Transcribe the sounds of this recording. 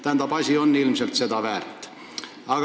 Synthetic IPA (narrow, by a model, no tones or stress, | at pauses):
t̪ænt̪æpɑsʲionːilmselt̪set̪ɑʋæːrt̪ːæ̥ | ɑɡ̥